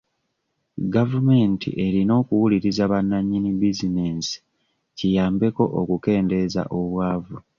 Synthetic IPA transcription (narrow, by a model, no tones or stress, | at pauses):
ɡavume̞ːntʰḭʔe̞ɾino̞ːkuwuliɾizaβanːaɲːinibizine̞ːnsi̥ | cijaːmbe̞ko̞ʔokuke̞ːnde̞za̰ʔo̞βwaːvu